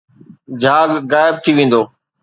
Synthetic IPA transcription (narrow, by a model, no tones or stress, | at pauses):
d͡ʑʱaːɡːaːɪb̚t̪ʰiʋẽːn̆d̪oː